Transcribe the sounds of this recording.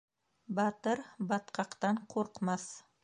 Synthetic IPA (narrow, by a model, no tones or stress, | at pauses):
bat̪ɪɾbɑt̪qʰɑqt̪anqʰoɾqmas